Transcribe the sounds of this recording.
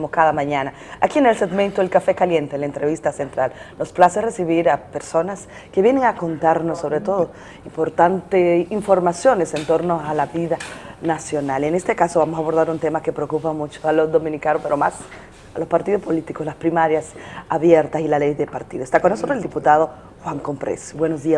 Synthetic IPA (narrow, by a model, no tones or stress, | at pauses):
moskaðamãɲana | akiene̞lseɡment̪oelkafe̞kalje̞nt̪elaent̪ɾe̞βist̪ase̞nt̪ɾalno̞splasere̞siβiɾape̞ɾso̞nas | keβje̞neŋako̞nt̪aɾnosːo̞βɾe̞t̪o̞ðo | impo̞ɾt̪ant̪eiɱfo̞ɾmasjo̞ne̞se̞nt̪o̞ɾnoalaβiðanasjo̞nalenest̪ekasoβamosaːβo̞ɾðaɾunt̪emake̞pɾeokupamut͡ʃoalozðo̞mĩnikanospeɾomas | alospaɾt̪iðospo̞lit̪ikoslaspɾimaɾjasaβjeɾt̪asilalejðepaɾt̪iðost̪akonːosot̪ɾoseld̪iput̪að̞o̞ | xwaŋko̞mpɾḛsbwenozðia